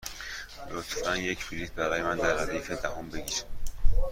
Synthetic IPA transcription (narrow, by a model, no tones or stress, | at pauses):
lot̪ʰfænjecʰpiliːt̪̚ʰbæɾɒːje̞mænd̪æɾːæd̪iːfed̪æɦɒmbe̞ɡiʃi